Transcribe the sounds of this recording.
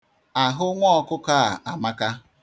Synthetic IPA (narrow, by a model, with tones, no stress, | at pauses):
a˨ɦʊ˦ŋʷɔ˦kʊ˦ka˦a˨ʔa˨ma˦ka˦